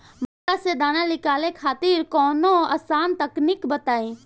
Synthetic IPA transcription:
məkased̪aːnalɪkaːlekʰaːt̪iɾkɔːnoɐ̰saːnt̪əknikbət̪aːĩ

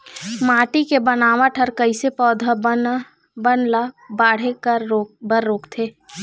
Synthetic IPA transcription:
maːʈikebənaːʋaʈʰəɾkəɪsepɔːd̪ʱa | bənla | baːɽ̤ekəɾbəɾːoːkt̪ʰeː

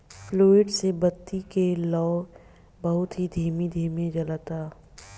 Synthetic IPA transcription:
floːɪɖsebɐt̪ːikelɔː | bɐɦʊt̪ɦid̪ʱeːmid̪ʱeːmẽd͡ʒɐlat̪aː

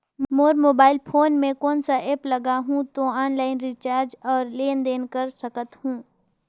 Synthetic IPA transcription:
moːɾmoːbaːɪlpʰoːnmẽkɔːnsaʔeːplɐɡaɦũt̪oaːnlaːɪnɾɪt͡ʃaːɾd͡ʒɔːɾleːnd̪eːnkəɾsɐkət̪hũː

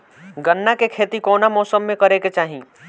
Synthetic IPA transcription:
ɡənːakekʰeːt̪ikoːnamɔːsəmːẽkɐɾeket͡ʃaːɦĩː

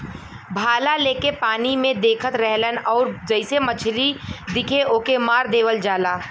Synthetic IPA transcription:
bʱaːlaleːkepaːnimẽd̪eːkʰət̪ɾɛɦlənɔːɾd͡ʒəɪsemət͡ʃʰlid̪ɪkʰeʔoːkemaːɾd̪eːʋəld͡ʒaːlaː

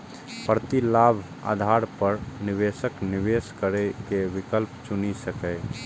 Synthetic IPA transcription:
pəɾt̪ilabʱ | a̰d̪ʱaɾpəɾniʋesəkniʋeskəɾekeʋikəlpt͡ʃunisəkəɪ

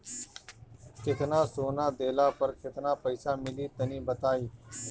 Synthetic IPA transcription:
kɪt̪nãːsoːnãːd̪eːlaːpəɾkɪt̪nãːpəisaːmɪliːt̪ənĩːbət̪aːiː

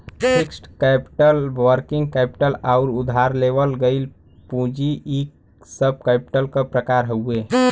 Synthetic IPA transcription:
pʰiksʈkɛpʈəlʋəɾkɪ̃ŋɡkɛpi̥ʈəlaʊɾʊd̪ʱaɾleʋəlɡəɪl | pũd͡ʒiʔik | səb̚ʱkɛpʈəlkapɾəkaɾɦəue

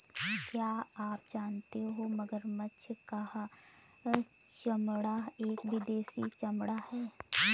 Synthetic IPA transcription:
kjaːaːp̚d͡ʒaːnt̪eɦomɐɡəɾmətːʃʰkaha | t͡ʃəmɽaeːkʋɪd̪eːsit͡ʃɐmɽahɛː

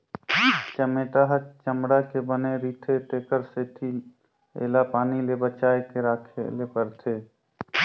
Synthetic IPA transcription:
t͡ʃəmeːʈaɦət͡ʃəmɽakebəneɾiːt̪ʰet̪eːkəɾset̪ʰi | ḛːlapaːnilebət͡ʃaːekeɾaːkʰḛlepəɾt̪ʰeː

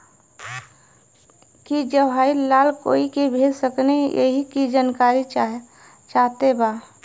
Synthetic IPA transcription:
kid͡ʒəɦaːilaːlko̰ːikebʱeːd͡ʒsəknejḛɦikid͡ʒankaːɾi | t͡ʃaːɦt̪ebaː

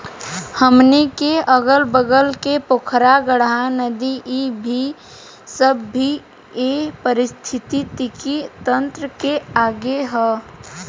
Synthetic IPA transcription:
həmnekeəɡəlbəɡəlkepokʰɾaɡəɽɦanəd̪iʔibʱi | səbːʱi | epəɾɪst̪ʰɪt̪it̪ikit̪ə̃nt̪ɾəkeaːɡeɦɛ

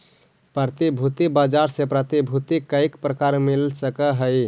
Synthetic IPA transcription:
pɾət̪ibʱut̪ibad͡ʒaɾsepɾət̪ibʱut̪ikəjkpɾəkaɾmilsəkəɦəj

